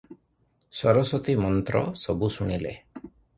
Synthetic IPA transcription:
sɔɾɔsɔt̪imɔnt̪ɾɔ̰sɔbusuɽ̃ilḛ

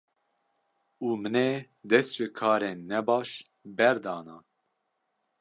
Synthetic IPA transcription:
uːmɨne | d̪ɛst̪t͡ʃɨkʰɑːɾenːɛbɑːʃ | bɛɾd̪ɑːnɑː

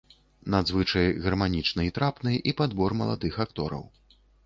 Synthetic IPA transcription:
nad̪zvɨt͡ʂɐjɣɐrmanʲit͡ʂnɐit̪ɾapnɨjipad̪bɔrmɐlˠa̰d̪ɨxakt̪ɔɾɐ̰w

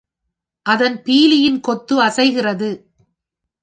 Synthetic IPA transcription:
ʔɐðɐnpiːlɪjɪnkɔt̪ːɯɐsɐɪɣɪrɐðɯ

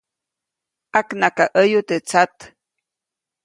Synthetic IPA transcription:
ʔaknakaʔəjut̪et͡sat̪

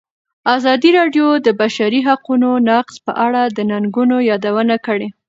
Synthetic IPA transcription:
azɑd̪iɾɑɖjod̪əbaʃaɾiɦaqunonaqzpə̰ʔaɽad̪ənaŋɡunojɑd̪awənakəɽe

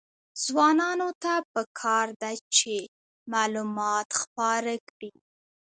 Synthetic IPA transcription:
z̥wɑnɑnot̪apəkʰɑɾd̪at͡ʃe | mɑlumɑt̪xpɑɾakɽi

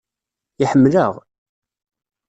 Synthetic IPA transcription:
ɪħəmːləʁ

